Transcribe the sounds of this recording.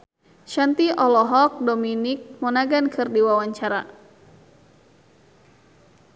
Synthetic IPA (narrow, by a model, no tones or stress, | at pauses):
ʃant̪iʔɔlɔɦɔk̚dominɪk̚mɔnaɡankʰɨrdiwawaɲt͡ʃaɾa̰